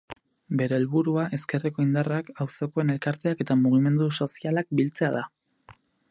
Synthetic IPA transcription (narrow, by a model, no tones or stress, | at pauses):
be̞ɾe̞ːlβuɾuaʔe̞ske̞reko̞ind̪arakawso̞ko̞e̞ne̞lkaɾt̪e̞ake̞t̪amuɣ̞ime̞nd̪uso̞sialak̚bilt͡se̞að̞a